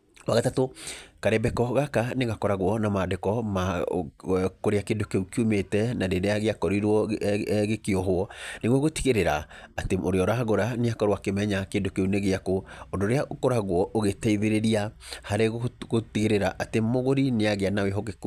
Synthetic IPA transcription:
waɣatatokaɾɛbɛkɔɣakaneɣakɔɾaɣwɔnamadekɔma | koɾeakedokeukiumetɛnadeɾeaɣeakɔɾiɾwɔɣekeɔɦwɔneɣwɔɣoti̥ɣeɾeɾaateʔoɾeɔɾaaɣoɾaneakɔɾowakemɛɲakedokeuneɣeakoɔdoɾeaʔokoɾaɣwɔʔoɣetɛiðeɾeɾiahaɾeɣoɣotiɣeɾeɾaʔatemoɣoɾineaɣeanaweɦɔɣek

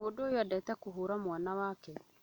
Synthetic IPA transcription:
odoːjadɛtɛkoɦoːɾamwanawaːkɛ

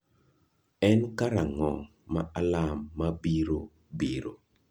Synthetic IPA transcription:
ɛnkaɾaŋɔ | ma̰ʔalamːabiɾo | biɾo

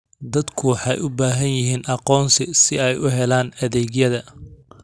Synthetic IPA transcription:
d̪ɐd̪kʰʊwɑħɑjʊbaːɦɐnjɪɦiːnʔɑqɔːnsɪsɪɛjʊɦɛlaːnɐðɛːɣjɐðɐ

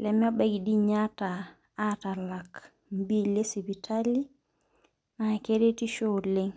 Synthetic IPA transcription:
lɛmɔɓaɡiɗiɲata | atalak | mbilesibitʰali | nakeɾetiʃɔleŋ

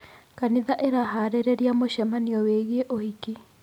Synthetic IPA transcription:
kaniðaʔeɾaɦaɾeɾeɾiamoʃɛmaniɔweɣeʔohiki

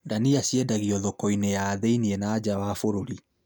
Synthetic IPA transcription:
daniasiɛdaɣiɔðɔkɔinejaːðeiniɛnaːd͡ʑawafoɾoɾi

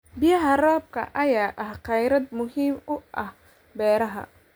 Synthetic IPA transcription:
bɪjɐɦɐraːb̚kʰɐ̰ʔɐjaːʔɐhqɑjɾɐd̪mʊɦiːmʊʔɐh | bɛːɾɐɦɐ̰

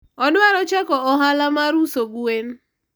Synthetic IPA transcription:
ɔnwaɾɔt͡ʃakɔɔɦalamaɾusoɡuwen

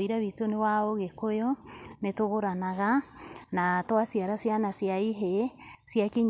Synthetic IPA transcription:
iɾaβitonewaoɣekojɔnetoɣoɾanaɣanatwasiaɾasjanasjaiɦesjakiɲ

